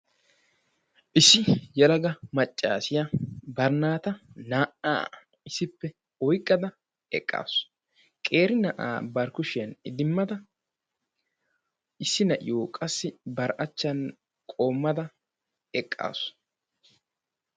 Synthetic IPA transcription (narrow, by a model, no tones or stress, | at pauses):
ʔɪsːɪjɐlɐɡɐmɐt͡ʃʼːa̰ːsɪjɐbɐɾnaːt̪ɐnaːʔa̰ː | ɪsɪpːɛ | ɔjkʼːɐd̪ɐ | ɛ̰kʼːa̰ːsʊ̥ | kʼe̞ːɾɪnɐʔa̰ːbɐɾkʊʃɪjɐnɪd̪ɪmːɐd̪ɐ | ɪsːɪnɐʔɪ̰joːkʼɐsːɪbɐɾʔɐt͡ʃːɐn | kʼo̞ːmːɐd̪ɐ | ɛkʼːa̰ːs